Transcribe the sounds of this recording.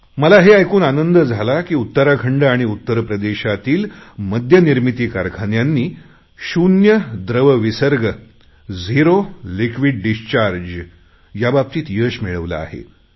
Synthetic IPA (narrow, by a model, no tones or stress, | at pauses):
məlaɦeajkuːnanənd̪əd͡zʱalakiːut̪ːəɾakʰəɳɖəaɽ̃iut̪ːəɾpɾəd̪eɕat̪iːlməd̪ʱjəniɾmit̪iːkaɾkʰanjanːiː | ɕunjəd̪ɾəʋəʋisəɾɡə | d͡ziɾolikʋiɖɖist͡ɕaɾd͡ʑ | jabab̚t̪iːt̪jəːɕmiɭəʋla̰ːɦḛ